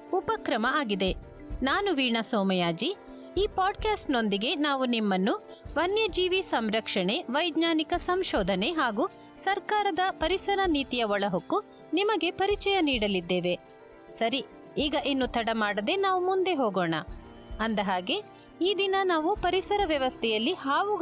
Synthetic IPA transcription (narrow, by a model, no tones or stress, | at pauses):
upɐkɾɐmɐaːɡid̪e̞ | naːnuʋiːɳɐsɔːmɐjaːd͡ʒi | iːpaːɖkaːsʈno̞nd̪iɡe̞naːʋunimːɐnːu | ʋɐnjɐd͡ʒiːʋisɐmɾɐkʂɐɳe̞ʋɐjdɲaːnikɐsɐmʃɔːd̪ʱɐne̞ɦaːɡuː | sɐɾkaːɾɐd̪ɐpɐɾisɐɾɐniːt̪ijɐʋɔɭɐɦokːu | nimɐɡe̞pɐɾit͡ʃɐjɐniːɽɐlid̪ːe̞ːʋe | sɐɾi | iːɡɐʔenːut̪ʰɐɽɐmaːɽɐd̪e̞naːʋumund̪e̞ɦoːɡoːɳɐ̰ | ɐnd̪ɐɦaːɡe̞ | iːd̪inɐnaːʋupɐɾisɐɾɐʋjɐʋɐst̪ʰɛjɐlːihaːʋu